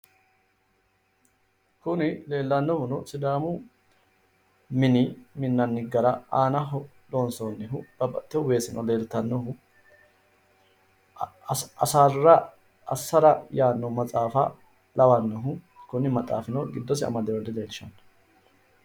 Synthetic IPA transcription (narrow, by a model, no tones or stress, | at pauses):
kʊnɪle̞ːlːɐnːɔhʊnɔsɪd̪aːmʊ | mɪnɪmɪnːɐnːɪɡɐɾɐaːnɐɦɔ | loːnsɔnːɪɦʊb̥ɐbɐt̪ːɛhʊwe̞ːsɪnʔɔ̰le̞ːlt̪ɐnːɔɦʊ | ɐsaːrːɐ | ɐsːɐɾɐjaːnːɔmɐt͡sʼaːfɐ | lɐwɐnːɔɦʊ | kʊnɪmɐt͡sʼa̰ːfɪnɔɡɪd̪ːɔs̬ɪɐ̰mɐd̪ɛwɔd̪ɪleːlʃɐnːɐ̥